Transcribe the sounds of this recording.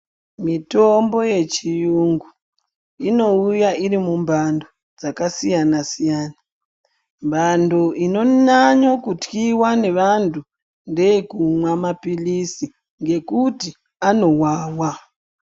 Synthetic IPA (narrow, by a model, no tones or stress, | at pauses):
mitombo̞je̞t͡ʃijuŋɡu | ino̞ujaiɾimumbʱandʱo | d͡zakasijanasijaːna | mbʱandoʔino̞naɲokutkiwane̞ʋantʰu | ndejekumwamapilisi | ŋɡe̞kuti | anowaːwa